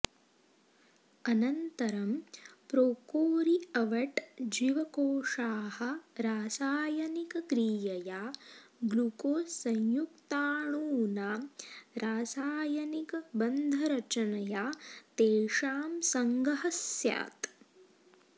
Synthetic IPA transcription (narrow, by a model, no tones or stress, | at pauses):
ɐnɐnt̪ɐɾɐmpɾoːkoːɾiɐʋɐʈd͡ʒiʋɐkoːʂaːhɐ̆ɾaːsaːjɐnikɐkɾiːjɐjaːɡlukoːsɐɲjukt̪aːɳuːnaːɾaːsaːjɐnikɐbɐnd̪ʱɐɾɐt͡ʃɐnɐjaːt̪eːʂaːmsɐŋɡɐɦɐsja̰ːt̪